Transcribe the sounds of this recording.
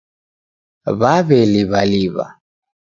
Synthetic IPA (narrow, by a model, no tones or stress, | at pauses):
βaβɛliβaliβa̰